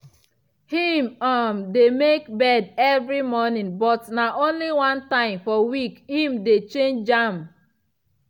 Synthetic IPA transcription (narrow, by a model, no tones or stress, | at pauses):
hĩmamdemekbɛdɛvɾimɔnĩnbɔtnaʔõnliwãntãɪ̃mfɔwikhĩmdet͡ʃẽnd͡ʒd͡ʒam